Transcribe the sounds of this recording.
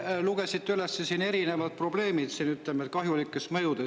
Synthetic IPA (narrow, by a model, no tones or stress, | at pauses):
luɡ̥esit̪ːylesːesiːne̞ɾinevɑd̪̚pro̞ble̞ːmid̪̥siːnyt̪lemet̪̚kɑɦjulikːˑesmɤjud̪e